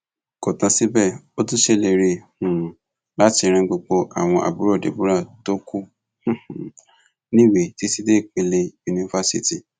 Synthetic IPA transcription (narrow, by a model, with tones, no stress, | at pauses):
ko˨tã˧si˦bɛ˦˨o˦tũ˦ʃe˦˨le˧ɾe˧hũ˨ | la˦ti˧ɾ̃ɛ̃˧ɡ͡bo˧ɡ͡bo˧ʔa̰˨w̃ɔ̃˧ʔa̰˨bu˨˦ɾo˦˨dḛ˨bu˦ɾa˦˨to˦ku˦ | h̩˦˨ | nĩ˦we˨ti˨˦si˦de˦˨k͡pe˧le˧u˧ni˧fa˧˦sḭ˦ti˦˨